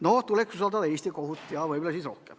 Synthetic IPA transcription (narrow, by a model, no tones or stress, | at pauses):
not̪uleksusɑlt̪ɑʋest̪ikohut̪ːjɑʋoibylæsit̪rohkḛm